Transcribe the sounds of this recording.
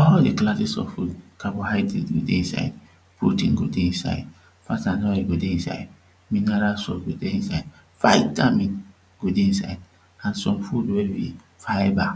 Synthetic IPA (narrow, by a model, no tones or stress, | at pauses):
ɔɾɔdeklad͡ʒisɔ̰fudkaboɦadiɡo̰deisa̰id | pṵtḭŋɡo̰deinsa̰ḭd | fatanɔeɡodeisa̰id | minaɾasɔ̰ɡodeĩsaid | fa̰itami | ɡ̥odeinsa̰id̚ | ãnsɔmfudevḭ | faiba